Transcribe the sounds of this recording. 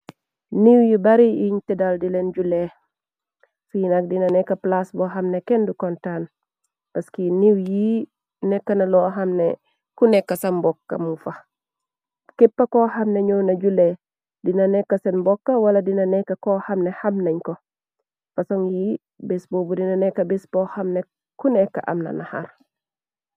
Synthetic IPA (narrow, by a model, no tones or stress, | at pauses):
niwjibɐɾiiɲtɛdaldilenɟule | fujinak̚dinɐnɛkːɐplasbɔɦɐmnekɛndukɔntan | pɐskiniwji | nɛkːɐnɐlɔɦɐmnḛ | kunɛkːɐsɐnbɔkːɐ̰mufɐ | kɛpːɐkɔhɐmneɲɔwnɐɟule | dinɐnɛkːɐsenbɔkːɐwɐlɐdinɐnɛkːɐkɔhɐmnɛhɐmnɐɲkɔ | fɐsɔŋji | bɛsbobudinɐnɛkːɐbɛsbɔhɐmne | kunɛkːɐ̰ʔɐ̰mnɐ̰naha̰ɾ